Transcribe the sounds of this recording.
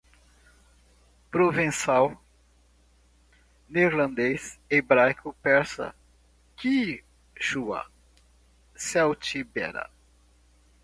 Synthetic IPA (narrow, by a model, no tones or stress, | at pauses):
pɾovẽsaw | neɾlɐ̃nd̪esebɾajkʊpɛɾsɐ̰ | ki | ʃua̰ | sɛwt͡ʃibɛ̰ɾɐ̰